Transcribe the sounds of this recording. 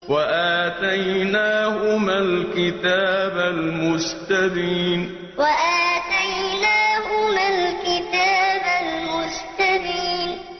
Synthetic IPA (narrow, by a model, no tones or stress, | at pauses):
waʔaːt̪ajnaːhʊmalkɪt̪aːbalmʊst̪abiːn | waʔaːt̪ajnaːhʊmalkɪt̪aːbalmʊst̪abiːn